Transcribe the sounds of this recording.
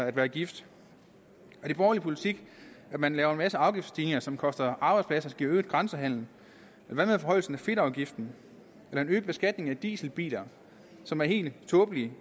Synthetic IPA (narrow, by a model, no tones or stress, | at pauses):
æd̥ʋæːɐɡ̥ifd̥ | ɒ̽d̥e̝b̥ɒːlipʰo̝lit͡sʰiɡ̥æd̥mænlɛːʊɐe̝nmæsəɑ̈ʊɡ̥ifd̥st͡sʰiːneŋɐsɒ̽mkʰɒ̽sd̥ɐʔɑ̈ːb̥ɑ̈ɪdspʰlæsɐsɡ̥ḭøːd̥ɡ̥ʁɑnsəɦæn̰ln̩ | elɐʋæmeðˠfɒɦɒ̽ɪ̰l̩sn̩æfe̝ɾ̥ɑ̈ʊɡ̥ifd̥n̩ | elɐe̝nøːb̥b̥e̝sɡ̥æd̥̚ne̝ŋæd̥ḭːsl̩b̥ḭːlɐ | sɒ̽mæɐhe̝̰ːld̥t͡sʰɔ̽ːb̥əli